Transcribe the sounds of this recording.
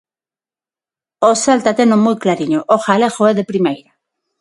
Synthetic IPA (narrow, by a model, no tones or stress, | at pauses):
osalt̪at̪enõmojklaɾiɲoʔoxalexoɛðepɾimejɾa